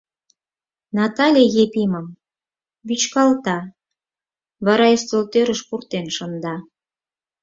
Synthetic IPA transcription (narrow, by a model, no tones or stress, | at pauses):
nɑt̪ɑlʲejepiməm | βyt͡ɕkɑlt̪ɑ | βɑɾɑest̪olt̪øɾəʃpurt̪enʃə̆nd̪ɑ